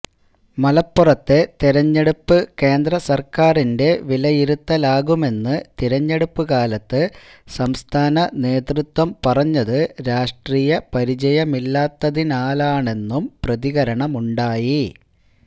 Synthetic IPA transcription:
mɐlɐpːurɐt̪ːet̪iɾɐɲːe̞ɽupːɨke̞ːnd̪rɐsɐrkaːrinde̞ʋilɐjiɾut̪ːɐlaːɣume̞nːɨt̪iɾɐɲːe̞ɽupːɨɣaːlɐt̪ːɨsɐmst̪ʰaːnɐne̞ːt̪rut̪wɐmpɐrɐɲːɐðɨɾaːʂʈriːjɐpɐɾit͡ɕɐjɐmilːaːt̪ːɐðinaːlaːɳe̞nːumprɐðiɣɐɾɐɳɐmuɳɖaːji

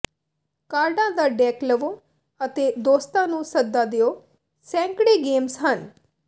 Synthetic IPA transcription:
kaːɾɖãːd̪aːɖɛːkləʋoː | ət̪eːd̪oːst̪ãːnũːsəd̪ːaːd̪ɪoː | sɛ̃ːŋkɽeːɡeːmsɦən

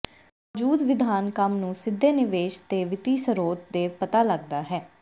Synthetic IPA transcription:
d͡ʒuːd̪ʋɪd̪ʱaːnkəmnũːsɪd̪ʱːeːnɪʋeːʃt̪eːʋɪt̪iːsəɾoːt̪̚d̪eːpət̪aːləɡd̪aːɦɛː

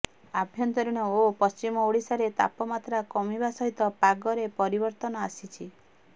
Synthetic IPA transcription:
abʱjɔnt̪ɔɾiɽ̃ɔopɔst͡ʃimɔoɽisaɾet̪a̰pɔmat̪ɾakɔmibasɔɦit̪ɔpaɡɔɾepɔɾibɔɾt̪ɔnɔasit͡ʃʰi

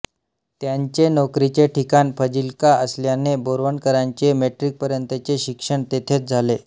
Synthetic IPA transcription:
t̪jaɲt͡ɕenɔkɾit͡ɕeʈʰikanpʰəd͡ʑilkaəsljaneboɾʋəɳkəɾaɲt͡ɕemeʈɾik̚pəɾjənt̪ət͡ɕeɕikʂəɳt̪et̪ʰet͡sd͡zʱale

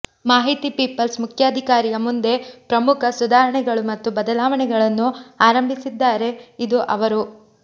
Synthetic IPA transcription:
maːɦit̪ipiːpɐlsmukʰjaːd̪ʱikaːɾijɐmund̪e̞pɾɐmukʰɐsud̪ʱaːɾɐɳɛɡɐɭumɐt̪ːubɐd̪ɐlaːʋɐɳɛɡɐɭɐnːuaːɾɐmbʱisid̪ːaːɾe̞id̪uʔɐ̰ʋɐɾu

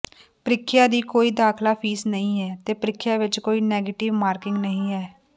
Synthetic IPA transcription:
pɾɪkʰːɪjaːd̪iːkoːiːd̪aːkʰlaːpʰiːsnəĩːɛːt̪eːpɾɪkʰːjaːʋɪt͡ʃkoːiːnɛːɡeːʈɪʋmaːɾkɪ̃ŋɡnəɦĩːɛː

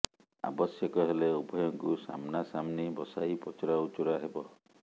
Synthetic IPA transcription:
a̰bɔsjɔkɔɦeleubʱɔjɔŋkusa̰mnasamnibɔsaipɔt͡ʃɔɾaut͡ʃuɾaɦebɔ

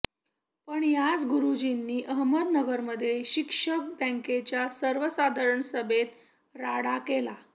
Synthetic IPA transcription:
pəɳjad͡zɡuɾud͡ʑinːiːʔəɦməd̪nəɡəɾməd̪ʱːjeɕikʂək̚bə̃ŋket͡ɕjasəɾʋəsad̪ʱəɾəɳsəbʱet̪ | ɾaɽakela

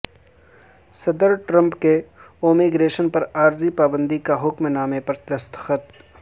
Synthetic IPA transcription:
sɐd̪əɾʈɾɐ̃mpkeoːmiɡɾeːʃənpɐɾaːɾzipaːbə̃nd̪ikaɦʊkmnaːmepɐɾd̪ɐst̪xət̪

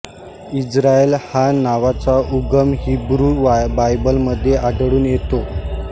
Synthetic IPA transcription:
id͡zɾaelhanaʋat͡saʔuɡəmɦibɾuːbajbəlməd̪ʱːjeʔaɖɽuːnjet̪o

